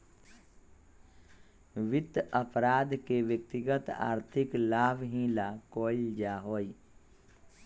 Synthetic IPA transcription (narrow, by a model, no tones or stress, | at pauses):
ʋɪt̪ːəpɾaːd̪keʋjək̚t̪ɪɡət̪a̰ːɾt̪ʰɪklaːʋɦĩːlakoːɪld͡ʒaːɦoːi